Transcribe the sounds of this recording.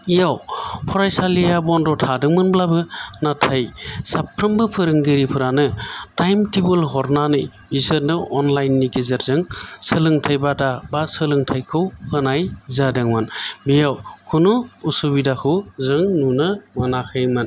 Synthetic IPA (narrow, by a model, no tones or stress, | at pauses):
ijawpʰɔɾajsalijabɔndɔtʰadɯŋmɯnblabɯnatʰajsapʰɾɯmbɯpʰɯɾɯŋɡiɾipʰɯɾanɯtajmtʰibɯlɦɔɾnanɯj | bisɯɾnɯʔɔnlajnːiɡizɯɾzɯŋsɯlɯŋtʰajbadabasɯlɯŋtʰajkʰɯwhɯnajzadɯŋmɯnbijawkʰunuusubidakʰɯzɯŋnunɯmanakʰɯjmɯn